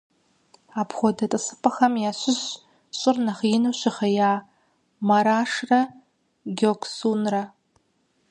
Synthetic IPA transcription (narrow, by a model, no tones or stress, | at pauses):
apʰχʷɔdɐtʼɨsɨ̥pʼɐχɐmjaːɕʷɪz | ɕʷʼɪrnɐχiɪnuʃʷɪχɐjaː | maɾaːʂrɐ | ɡʲokʰʼsunrɐ